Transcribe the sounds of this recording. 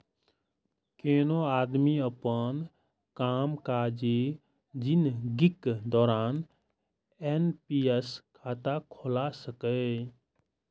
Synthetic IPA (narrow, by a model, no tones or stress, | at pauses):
keːnoaːd̪miəpən | kaːmkad͡ʒe | d͡ʒɪnɡɪkd̪ɔːɾaːn | enpieskʰaːt̪akʰoːlasəkə